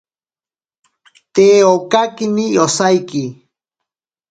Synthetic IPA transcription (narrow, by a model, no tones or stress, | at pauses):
t̪eːokakinijosajki